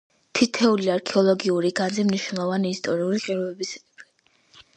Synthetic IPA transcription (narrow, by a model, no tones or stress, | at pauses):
t̪ʰit̪ʰɛuliaɾkʰɛɔlˠɔɡiuɾiɡanzimniʃwnɛlˠɔvaniːst̪ʼɔɾiuliqʼiɾɔɛbisqʼɛpi